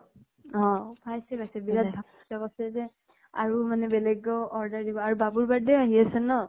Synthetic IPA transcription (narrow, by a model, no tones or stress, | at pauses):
ɔ̃bʰʱajsɛbajsɛbiɹat̪bʱa | sakɔsɛzɛ | a̰ɹumanɛbɛlɛɡːɔɔɹdaɹdibɔaɹubabuɹbadɛaɦiasɛnɔ